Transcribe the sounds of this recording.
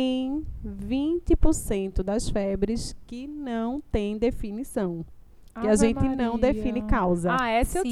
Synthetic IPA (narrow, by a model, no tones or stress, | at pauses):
ẽj̃vĩt̪ɪpoɾsẽnt̪ʊd̪ɐsfɛbɾɪskɪnɐ̃w̃t̪ẽj̃d̪efinisɐ̃w̃ | kɪaʒẽnt̪ɪnɐ̃w̃d̪efĩnɪkawzɐɛse